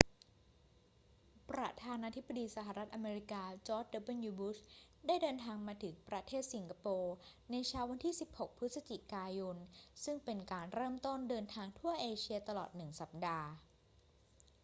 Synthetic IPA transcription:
pɾa̰˧t̪ʰaː˧naː˧t̪ʰi˦˥bːa˧diː˧sa˧˩ɦa˨˩ɾa˦˥t̪̚ʔa˧meː˧ɾi˧kaː˧t͡ɕɔː˦˥t͡ɕ̚de˧˥ba˥˨njuː˧bu˦˥s | daː˥˩jdɤː˧nt̪ʰaː˧ŋmaː˧t̪ʰɯ˩˦ŋpɾa˧t̪ʰeː˥˩t̪̚si˩˦ŋkʰa˧poː˧na˧jt͡ɕʰaː˧˥wa˧nt̪ʰiː˥˩si˨˩p̚ho˨˩k̚pʰɯ˦˥t̪̚sa˧t͡ɕi˨˩kaː˧jo˧nsɯ˥˩ŋpe˧nkaː˧nɾɤː˥˩mt̪o˥˩ndɤː˧nt̪ʰaː˧ŋt̪ʰu˥˩ɐʔeː˧t͡ɕʰi˧ɐt̪a˧lɔ̰ː˨˩t̪̚nɯ˨˩ŋsa˨˩p̚daː˧

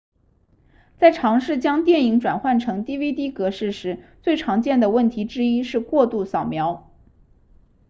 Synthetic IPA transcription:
t͡sa˥˩ɪʈ͡ʂʰɑ˧˥ŋʂɻ̩˥˩t͡ɕjɑ˥ŋt̪jɛ˥˩ni˧˥ŋʈ͡ʂwa̰˨˩nxwa˥˩nʈ͡ʂʰɤ˧˥ŋt̪i˥wi˥t̪i˥kɤ˧˥ʂɻ̩˥˩ʂɻ̩˧˥t͡swe˥˩ɪʈ͡ʂʰɑ˧˥ŋt͡ɕjɛ˥˩nd̪ə˩wə˥˩nt̪ʰi˧˥ʈ͡ʂɻ̩˥i˥ʂɻ̩˥˧kwɔ˥˧t̪u˥˩sɑ˨˩ʊmjɑ˧˥ʊ

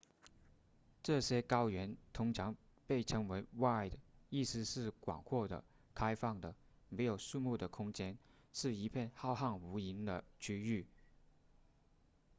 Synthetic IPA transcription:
ʈ͡ʂɤ˥˩ɕjɛ˥kɑ˥ʊɥɛ˧˥nt̪ʰʊ˧˥ŋʈ͡ʂʰɑ˧˥ŋ | pe˥˩ɪʈ͡ʂʰɤ˧˥ŋwe˧˥ɪwa˥˩ɪd̪ə˩i˥˩sɻ̩˥˧ʂɻ̩˥˩kwɑ̰˨˩ŋkʰwɔ˥˩d̪ə̰˩ | kʰa˥ɪfɑ˥˩ŋd̪ə˩ | me˧˥ɪjo˨˩ʊʂu˥˧mu˥˩d̪ə˩kʰʊ˥ŋt͡ɕjɛ˥n | ʂɻ̩˥˩i˧˥pʰjɛ˥˧nxɑ˥˧ʊxɑ˥˩ŋu˧˥i˧˥nd̪ə̰˨t͡ɕʰy˥y˥˩

